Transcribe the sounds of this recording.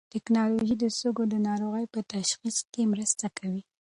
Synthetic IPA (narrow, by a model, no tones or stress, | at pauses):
t̪ɪknɑloʒid̪əsoɡod̪ənɑɾoɣəjpət̪aʃxiskemɾəst̪akʰawi